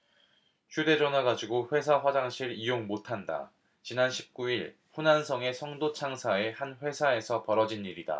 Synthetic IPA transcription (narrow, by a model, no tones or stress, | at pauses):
ɕʰude̞d͡ʑʌnwaɡad͡ʑiɡoɸwe̞sʰaɸwad͡ʑaŋɕʰiɾijoŋmotʰanda̰ | t͡ɕinanɕʰi̥p̚k͈uiɭ | ɸunansʰʌŋe̞sʰʌŋdot͡ɕʰaŋsʰae̞hanɸwe̞sʰae̞sʰʌpʌɾʌd͡ʑiniɾida̰